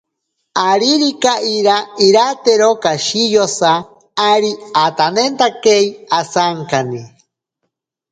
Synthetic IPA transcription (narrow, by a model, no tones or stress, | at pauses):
aɾiɾikaʔiɾaiɾat̪eɾokaʃijosaː | ɾiat̪anent̪akeiasaŋkani